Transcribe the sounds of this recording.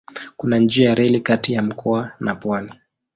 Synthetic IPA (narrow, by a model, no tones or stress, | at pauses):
kunand͡ʒiajaɾɛlikatijam̩kʰɔanapwani